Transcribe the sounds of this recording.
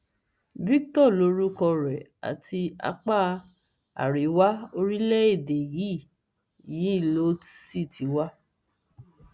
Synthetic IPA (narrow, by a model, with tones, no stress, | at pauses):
vi˦ktɔ˦˨lo˧˦ɾu˦kɔ˧ɾɛ˨a̰˨ti˧a̰˧k͡pa˦˨ | a̰˨ɾi˨˦wa˦o˧ɾi˦lɛ˦e˦˨de˨ji˨˦˨ | ji˨˦i˦˨lo˦si˦˨ti˨˦wa˦